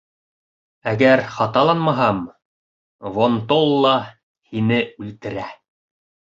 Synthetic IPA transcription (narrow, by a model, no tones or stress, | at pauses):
æɡæɾχɑt̪ɑlˠɑnmɑɦɑm | vont̪olˠːɑ | hinɘʉlt̪ɘ̆ɾæ